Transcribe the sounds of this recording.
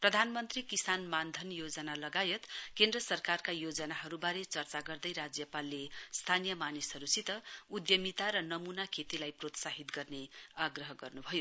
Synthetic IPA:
prʌd̪ʱanmʌnt̪rikisanmand̪ʱʌnjod͡zʌnalʌɡajʌt̪kend̪rʌsʌrkarkajod͡zʌnaɦʌɾubaɾet͡sʌrt͡saɡʌrd̪ʌjɾad͡zjʌpalːest̪ʰanijʌmanisʌɾusit̪ʌud̪jʌmit̪aɾʌnʌmunakʰet̪ilajprot̪saɦit̪ɡʌrneaɡrʌɦʌɡʌrnubʱʌjo

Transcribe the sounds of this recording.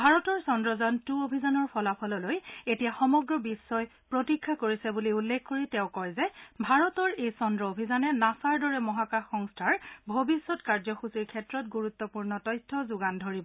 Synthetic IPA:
bʱaɹɔtɔɹsɔndɹɔzɔntuobʱizanɔɹpʰɔlapʰɔlɔlojetijaxɔmɔɡɹɔbisːɔjpɹotikʰːakoɹisɛbuliulːekʰkoɹitɛʊ̃kɔɹzɛbʱaɹɔtɔɹejsɔndɹɔobʱizanɛnasaɹdɔɹɛmɔɦakaxɔŋstʰaɹbʱobisːɔtkaɹzɔxusiɹkʰɛtɹɔt̚ɡuɹut̪ːɔpuɹnɔtɔjtʰːɔzʊɡandʱoɹibɔ

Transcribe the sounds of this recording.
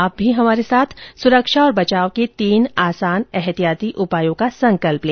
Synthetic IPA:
aːp̚bʱiɦɐmaːɾesaːt̪ʰsʊɾəkʃaɔːɾbɐt͡ʃaːoket̪iːnaːsaːnɛɦt̪ijaːt̪iʔʊpaːjõkasɐ̃ŋkəlpleː

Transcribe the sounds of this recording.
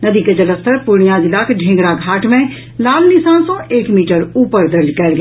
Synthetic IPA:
nɐd̪iked͡ʒɐləst̪ʰəɾpʊɾɽ̃ijãd̪ɪlaːkʰɖʱẽːŋɡɽaɡʱaːʈmẽ | laːlnɪsãːnsõeːkmiːʈəɾuːpəɾd̪ɐɾd͡ʒkɐɾɡ

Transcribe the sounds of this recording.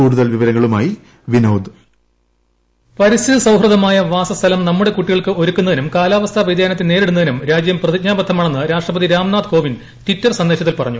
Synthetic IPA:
uːɽuðɐlʋiʋɐɾɐŋːɐɭumaːji | ʋinɐwd̪ | pɐɾisiðɐsɐwɦrɨðɐmaːjɐʋaːsɐst̪ʰɐlɐmnɐmːuɽe̞kuʈːiɣɐɭkɨoɾukʲːunːɐðinumkaːlaːʋɐst̪ʰaʋid̪ʱjaːnɐt̪ːɨne̞ːɾeɽunːɐðinumɾaːd͡ʑjɐmprɐðik̚ɲaːbɐt̪ʰːɐmːɐɳɐnːɨɾaːʂʈrɐpɐðiɾaːmnaːd̪kʰo̞ːʋin | t̪itːɐrsɐnd̪eːɕɐt̪ːilpɐrɐɲːu

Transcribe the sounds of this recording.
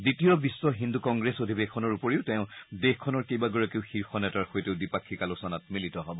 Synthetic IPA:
ditijɔbisːɔɦindukɔŋɡɹesodʱibekʰɔnɔɹupoɹiʊtɛʊ̃dexkʰːɔnɔɹkejbaɡɔɹakeʊxiɹxɔnɛtaɹxojteʊdipakʰːikalusɔnat̚militɔɦɔbɔ

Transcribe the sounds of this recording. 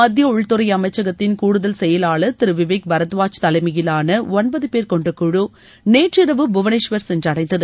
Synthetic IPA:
mɐd̪jɐʊɭt̪ɯɾɐjɐmɐɪt͡ʃːɐɣɐt̪ːɪnkuːɽɯðɐlsɛjɐlaːɭɐt̪ɪɾɯʋɪʋeːk̚bɐɾɐt̪ʋaːt͡ʃt̪ɐlɐɪmɐɣɪlaːnɐɔnbɐðɯpeːɾkɔɳɖɯkːʊɻu | neːʈrɪɾɐʋɯbʊʋɐnɐʂʋɐɾsɛndrɐɽɐɪnd̪ɐðɯ

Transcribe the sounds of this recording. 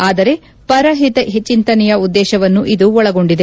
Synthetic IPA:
aːd̪ɐɾe̞ | pɐɾɐɦit̪ɐɦet͡ʃːint̪ɐnɛjɐud̪ːɛːʃɐʋɐnːuʔid̪uɔɭɐɡo̞ɳɖid̪e

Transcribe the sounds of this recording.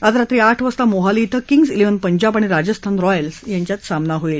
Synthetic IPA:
at̪ɾat̪ɾiaʈʰʋəst̪amoɦalit̪ʰəkiŋɡsileʋənpəɲd͡ʑabaɽ̃iɾad͡ʑəst̪ʰanɾɔjəlsjaɲt͡ɕjat̪samnaɦoil

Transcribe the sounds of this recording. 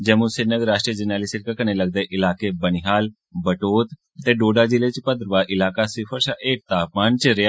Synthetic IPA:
d͡ʒəmũsɪnəɡɾaːʃʈɾiəd͡ʒənjaːliːsɪɾkakəneːləɡ̚d̪eːʔɪlaːkeːbəniɦaːl | bəʈoːt̪ | t̪eːɖoːɖaːd͡ʒileːt͡ʃpəd̪ɾəʋaːʔɪlaːkaːsɪpʰəɾsaʔeːk̚t̪aːp̚maːnt͡ʃɾɪaː

